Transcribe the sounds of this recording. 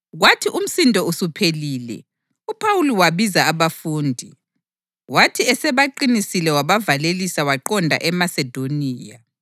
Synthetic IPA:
ɣwatʰiʔum̩sintʼɔusupʰeliːlɛ̰ | upʰawuliwaβizaːβafuːndʱi | watʰiɛsɛβaǃinisilɛwaβavalelisawaǃɔndʱa̰ʔɛmasɛd̥ʱoniːja

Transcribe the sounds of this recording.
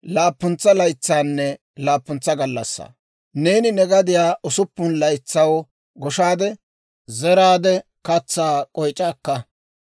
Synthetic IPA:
laːpːʊnt͡sːɐlɐjt͡sːaːnːɛ | laːpːʊnt͡sːɐɡɐlːɐsːɐ̰ | ne̞ːnɪnɛɡɐd̪ɪjaːʔʊsʊpːʊnlɐjt͡sːɐw | ɡɔʃaːd̪ɛ | zɛɾaːd̪ɛ | kɐt͡sːaːkʼɔjt͡ʃʼːaːkːɐ

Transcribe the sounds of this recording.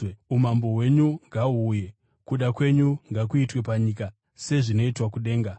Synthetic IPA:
umambo̞we̞ɲuŋɡauːje̞ | kuɗakwe̞ɲuŋɡakuitwe̞paɲika | se̞ʐino̞itwakuɗe̞ːŋɡa

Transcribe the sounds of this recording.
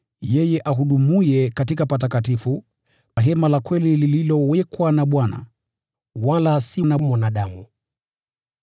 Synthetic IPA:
jɛjɛʔahuɗumujɛkatikapat̬akatifu | paɦɛmalakwɛlilililɔwɛkwanaɓwana̰ | walasinamɔnaɗamu

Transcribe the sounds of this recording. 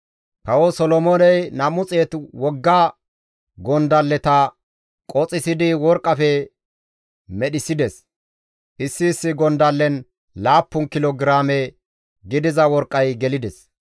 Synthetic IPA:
kɐwɔsɔlɔmɔnɛjnɐmʊt͡sʼeːt̪wɔɡːa | ɡɔnd̪ɐlːɛt̪ɐ | kʼɔt͡sʼɪsɪd̪ɪwɔɾkʼːɐfɛ | mɛɗɪsɪd̪ɛs | ʔɪsːɪːsːɪɡɔnd̪ɐlːɛn | laːpːʊnkɪloɡɪɾaːmɛ | ɡɪd̪ɪzɐwɔɾkʼːɐjɡɛlɪd̪ɛs

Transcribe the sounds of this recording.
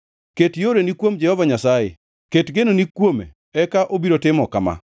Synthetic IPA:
ketjoɾenikwomd͡ʒɛhɔvaɲasajɪ̰ | ketɡenonikwomḛ | ɛkaʔobiɾotɪmɔkama̰

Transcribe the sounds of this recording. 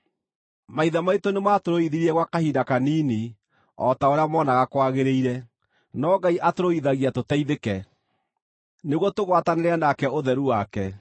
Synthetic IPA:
maiðamaitonemaːtoɾoiðiɾiɛɣwakahiːdakaniːni | ɔtaoɾeamɔːnaɣakwaɣeɾeiɾɛ | nɔɡaiʔatoɾoiðaɣiatotɛiðekɛ | neɣwɔtoɣwataneɾanakɛoðɛɾuwakɛ

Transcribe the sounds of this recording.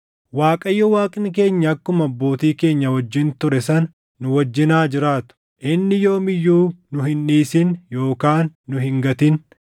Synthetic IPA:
waːkʼɐjːɔwaːkʼɪnk̬e̞ːɲːɐːkːʊmɐbːo̞ːt̪iːke̞ːɲːɐwɔd͡ʒːɪnt̪ʊɾɛsɐn | nʊwɐd͡ʒːɪnaːd͡ʒɪɾaːt̪ʊ̥ | ʔɪnːɪjo̞ːmɪjːuːnʊɦɪnːiːsɪnjo̞ːkaːnːʊɦɪŋɡɐt̪ɪn

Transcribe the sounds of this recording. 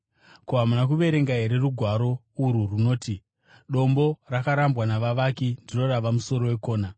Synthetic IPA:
koɦamunakuʋe̞ɾe̞ŋɡaɦe̞ɾe̞ruɡʱwaɾo̞ | uɾuruno̞ːti | ɗo̞mbo̞rakaɾambɣanaʋaʋakindiro̞raʋamuso̞ɾo̞we̞ko̞ːna

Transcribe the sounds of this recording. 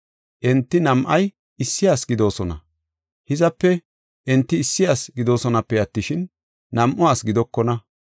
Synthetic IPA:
ʔɛnt̪ːɪnɐmʔɐj | ɪsːɪjaːsɡɪd̪o̞ːsɔnɐ̰ | hɪzɐpːɛ | ʔɛnt̪ːɪːsːɪjaːsɡɪd̪o̞ːsɔnɐpːɛjɐt̪ːɪʃɪnː | ɐmʔʊaːsɡɪd̪ɔkːɔnɐ

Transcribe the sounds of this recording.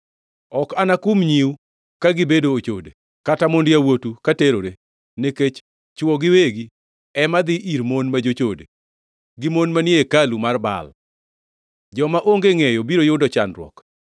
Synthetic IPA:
ɔkanakumɲiu | kaɡɪbedoːt͡ʃo̰de | katamondɪjawotukateɾoɾe | neket͡ʃ | t͡ʃwɔɡɪweɡi | ɛmad̪ɪʔiɾmonmad͡ʒot͡ʃodḛ | ɡɪmonmanjeekalumarba̰l | d͡ʒɔmaʔoŋɡeŋejobiɾojʊdɔt͡ʃa̰ndɾwɔ̰k

